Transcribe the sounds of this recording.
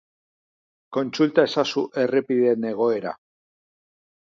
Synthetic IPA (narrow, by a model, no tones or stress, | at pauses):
ko̞nt͡sult̪ae̞sasuʔe̞repiðe̞ne̞ɣ̞o̞e̞ɾa̰